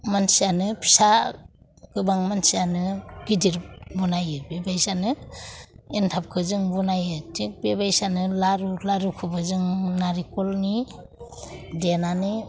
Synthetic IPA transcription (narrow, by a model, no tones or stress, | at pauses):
mansianɯpʰi̥sa | ɡɯbaŋmansianɯɡ̥idiɾbunajɯbebajsanɯ | entʰap̚kʰɯzɯŋbunajɯtik̚bebajsanɯlaɾulaɾukʰɯbɯzɯŋnaɾikɔlni | denanɯ